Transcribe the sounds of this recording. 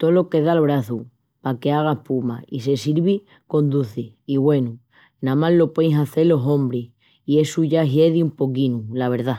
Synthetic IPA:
t̪o̞lo̞ke̞ð̞alβ̞ɾaθu | pake̞aɣ̞aehpuma̰ise̞siɾβi | ko̞nd̪uθe | iβwe̞nu | nãmallo̞pwejŋsaθe̞lo̞ɦõ̞mbɾe | ie̞suʝaɦje̞ðiumpo̞k̬inulaβ̞e̞ɾða

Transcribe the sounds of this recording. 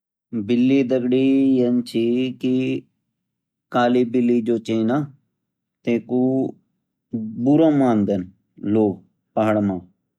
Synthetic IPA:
bɪlːiːd̪əɡɽiːjənt͡ʃʰiːki | kaːliːbɪlːiːd͡ʒoːt͡ʃẽinaː | t̪eːkuː | buɾãːmaːnd̪ən | loː | paɦəɽmãː

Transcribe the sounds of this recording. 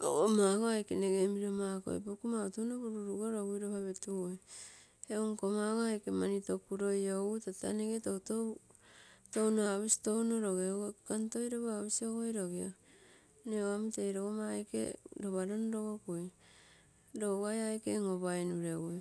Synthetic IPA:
o̰omakoajkeneɡemiɾomako̰j̰pokumautonokuɾuɾuɡoɾoɡujɾoβaβetuo | eoŋkomaɡoajkemanitokuɾo̞joutata̰neɡetowto | townoaβisi̥to̞wnoɾoɡeoɡokantojɾoβoaβisioɡojɾoɡio | neoamitejɾoɡomajkḛɾoβaɾonɾoɡokoj | ɾoɡajajkḛŋoβajnuɾewoj

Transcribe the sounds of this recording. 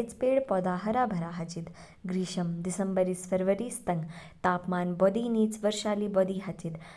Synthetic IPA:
t͡speːɽpɔd̪aɦəɾabʱɐɾaɦɐt͡ɕit̪ | ɡɾiːɕəmd̪isəmbəɾiːsfəɾʋəɾiːst̪əŋɡ | t̪aːpmaːnbɔd̪iːniːt͡sʋəɾʃaliːbɔd̪iːɦat͡ɕit̪

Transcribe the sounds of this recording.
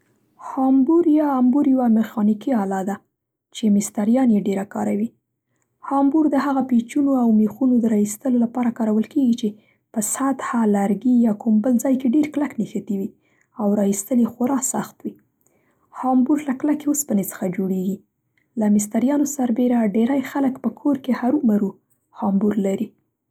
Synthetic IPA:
hɑmbuɾjɑːmbuɾjwamɪxɑnikiɑlɑd̪a | t͡ʃemɪst̪aɾjɑnjeɖeɾakɑ̰ɾawi | hɑmbuɾd̪əɦaɣapet͡ʃunoawmexunod̪əɾɑist̪əlolapɑɾakɑɾawəlkeɡit͡ʃe | pəsat̪halaɾɡijɑkumbəld͡zɑjkeɖeɾklaknexat̪iwi | awɾɑist̪əljexʊɾɑsaxt̪wi | hɑmbuɾlaklakeospənet͡sə̥xad͡ʒoɽeɡi | lamɪs̬t̪aɾjɑnosaɾbeɾaɖeɾajxaləkpəkʰoɾkehaɾumaɾu | hɑmbuɾlaɾi

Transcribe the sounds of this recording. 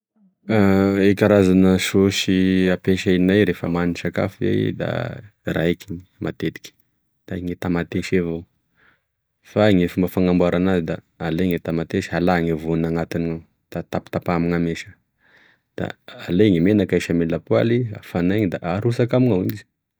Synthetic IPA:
aekʲaɾazanəsosiapeʃainajɾefəmanisaka̰fḛd̪a̰raekʲiɲi̥mat̪et̪i̥kʲi̥ | d̪̥aŋet̪amat̪eʃevo | faŋefumbəfaŋambuaɾanazid̪aː | leŋet̪amat̪eʃalaŋevunaŋat̪inia | d̪̥at̪api̥t̪apamiŋameʃə̥ | d̪̥a̰ːleŋemenakajʃamelapua̰lia̰fanaɲid̪a̰ʔaɾusakamiŋaḭnizi̥

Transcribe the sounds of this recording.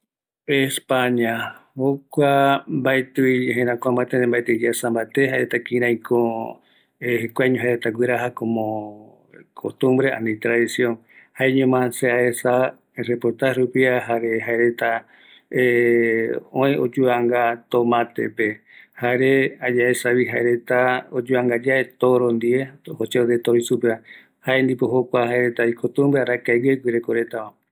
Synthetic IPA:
espaɲahokʷambaet̪ɨieɦẽɾãkʷamat̪eẽmbaet̪ɨd͡ʒeasãmbat̪eɦaeɾet̪akĩɾ̃ãĩkʰo | ehekʷaɲõɦaɾet̪aɡʷwiɾaɦakõmõ | kʰot̪ũmbɾeʔa̰nĩt̪ɾaðisjõn | haeɲõmãnseaesa | repoɾt̪aɾupiaɦaɾeɦaeɾe̞t̪a | õj̃od͡ʒuaŋɡat̪omãt̪ḛpe | haɾead͡ʒaesaβiɦaeɾe̞t̪aod͡ʒuaŋɡad͡ʒaʔet̪oɾõnd̪iehot͡ʃeod̪et̪oɾisupea | haend̪ipoɦokʷahaeɾe̞t̪aikot̪ũmbɾeaɾakaɡeɡʷwiɾekoɾe̞t̪amã

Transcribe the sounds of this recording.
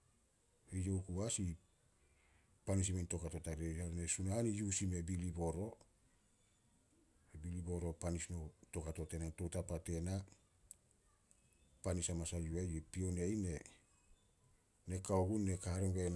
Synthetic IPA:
ejowkuasi | panis̬imento̞katotaɾehaɾonesunahanijusime̞bilibo̞ɾo̞ | ebilibo̞ɾo̞panisnoto̞kato̞te̞nantotapate̞na | panisamasajuajepio̞nejne̞ | ne̞kaoɡunːe̞kahaɾemɡen

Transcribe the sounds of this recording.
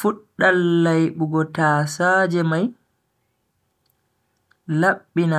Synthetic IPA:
fuɗːalːajɓuɡɔtaːsaːd͡ʒɛmaj | laɓːina

